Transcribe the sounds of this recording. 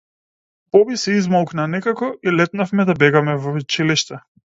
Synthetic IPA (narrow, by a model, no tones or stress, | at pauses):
bɔbisɛizmɔlˠknanɛkakɔilɛt̪nafmɛd̪abɛɡamɛvɔut͡ʃiliʃt̪ɛ